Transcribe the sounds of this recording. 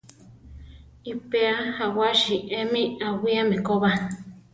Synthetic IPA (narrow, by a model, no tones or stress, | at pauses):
ipeahawaʃiʔemĩawiamẽkoβa